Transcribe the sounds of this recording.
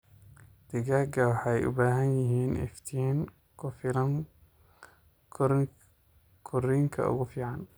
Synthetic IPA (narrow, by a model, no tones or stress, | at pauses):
d̪̥ɪɣaːɡɐwɑħɑɛjʔʊ̰baːɦɐnjɪɦiːnʔɛ̰ft̪ʰiɛŋ | kʰʊfɪɾɐŋ | kʰʊɾiŋkʰɐ̰ʊ̰ɣʊfiːʕɑn